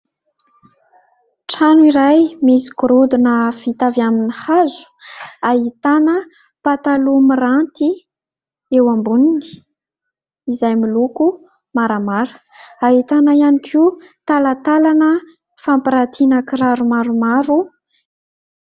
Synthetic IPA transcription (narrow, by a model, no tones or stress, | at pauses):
ʈ͡ʂanuiɾajmisi̥kuɾud̪unəfit̪avjaminihazu̥aɦit̪anə | pat̪alumirant̪i | ewambunini̥ | zajmiluku | maɾamaɾə̥ | aɦit̪anaianikʰiut̪alat̪alanə | fampiɾat̪ʰinəkiɾaɾumaɾumaɾu